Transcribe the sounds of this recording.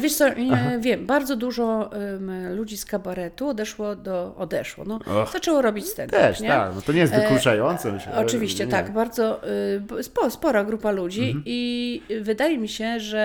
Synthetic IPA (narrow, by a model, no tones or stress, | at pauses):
vʲjɛʂt̪sɔvʲjɛmbaɾd̪zɔd̪uʐɔ | lud͡ʑiskabaɾɛt̪uɔd̪ɛʂwɔd̪ɔɔd̪ɛʂwɔ̰nɔɔzat͡ʂɛwɔɾɔbʲit͡ɕst̪ɛt̪t̪ɛʃɲɛa̰knɔt̪ɔɲɛjestvkult͡ʂajɔnt̪sɛmɘɕlɛ̰ɔt͡ʂɨvʲiɕt͡ɕɛt̪aɡbaɾd̪zɔ | spɔspɔɾaɡɾupalud͡ʑiivɘd̪ajɛmʲiɕɛʐɛ